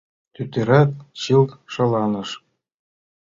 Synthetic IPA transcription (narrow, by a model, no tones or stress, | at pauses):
t̪ʲyt̪ʲeɾɑt̪̚ɕilˠʂɤ̆lˠɑnɤ̆ʂ